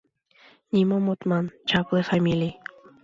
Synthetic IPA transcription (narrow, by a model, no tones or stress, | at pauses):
nimomot̪mant͡ʃakesamili